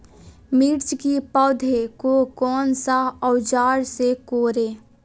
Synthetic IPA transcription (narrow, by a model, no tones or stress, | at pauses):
miɾt͡ʃkipɔd̪ʱekokɔːnsaəʊd͡ʒaːɾsekoːɾeː